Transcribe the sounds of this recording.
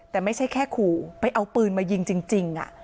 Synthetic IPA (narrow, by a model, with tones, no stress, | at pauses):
t̪ɛː˨˩ma˥˩jt͡ɕʰa˥˩jkʰɛː˥˩kʰuː˨˩pa˧jʔa˧wpɯː˧nmaː˧ji˧ŋt͡ɕi˧ŋt͡ɕi˧ŋʔa̰˨˩ʔ